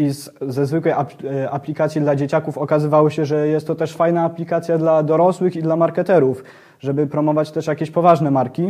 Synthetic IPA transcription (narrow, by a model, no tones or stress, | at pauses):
izzɛzvɘkwɛjapaplʲikat̪sʲjid̪lad͡ʑet͡ɕakufɔkazɘvawɔɕɛʐɛjɛst̪ːɔt̪ɛʂfajnaːplʲikat̪sʲjad̪lad̪ɔɾɔswɘxid̪lamaɾkɛt̪ɛɾuf | ʐɛbɘpɾɔmɔvat͡ɕt̪ɛʂjakʲeɕpɔvaʐnɛmaɾkʲi